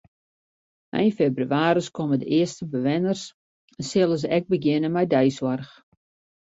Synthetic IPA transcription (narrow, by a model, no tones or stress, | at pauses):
ɛ̰jnfebrywaːɾəskomədə̰ʔɪəstəbəʋɪnərs | ɛnsɪlˠəs̬ɛk̚bəɡjɪnəmɛjdɛjswɔrx